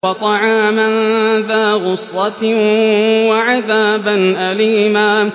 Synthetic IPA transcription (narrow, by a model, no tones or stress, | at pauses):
ɑt̪ˤɑʕaːmanðaːɣʊsːɑt̪ | waʕaðaːbanʔaliːmaː